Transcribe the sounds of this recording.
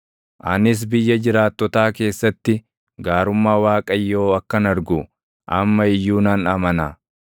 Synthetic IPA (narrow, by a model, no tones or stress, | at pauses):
ʔɐnɪs̬bɪjːɐd͡ʒɪɾaːt̪ːɔt̪aːke̞ːsːɐt̪ːɪ | ɡaːɾʊmːaːwaːkʼɐjːoːɐkːɐnɐɾɡʊ | ʔɐmːɐɪjːuːnɐnɐmɐnɐ